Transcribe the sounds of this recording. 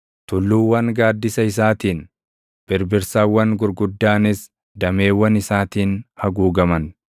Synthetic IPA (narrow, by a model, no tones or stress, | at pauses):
t̪ʊlːuːwːɐŋɡaːd̪ːɪsɐɪs̬aːt̪iːn | b̥ɪɾbɪɾsaːwːɐŋɡʊɾɡʊd̪ːaːnɪs | d̪ɐme̞ːwːɐnɪsaːt̪iːnhɐɡuːɡɐmɐn